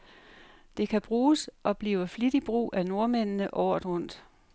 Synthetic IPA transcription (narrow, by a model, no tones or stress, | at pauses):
d̥e̝kʰæb̥ʁuːsʔɒ̽b̥liːʊəflid̥ib̥ʁṵːʔæno̝ɐmennəʔɒʊd̥ʁɔ̽n̰d̥